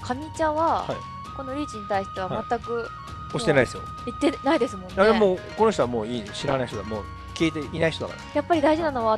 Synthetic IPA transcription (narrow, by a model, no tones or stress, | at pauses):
kʰamʲit͡ɕaβahaḭ | ko̞no̞ɾʲiːt͡ɕiɲ̟it̪aiɕt̪e̞β̞amat̪ːakɯ̟ | oɕi̥t̪e̞naid̪esɨjo̰ | it̪ːe̞naid̪e̞sɨmõ̞nːaed̪emoːko̞no̞ç̬t̪oamoːiːɕiɾa̰naiçt̪omo̰ː | kʲiːt̪e̞inaiç̥it̪oa̰ka̰ɾajapːaɾʲid̪aiʑinano̞βa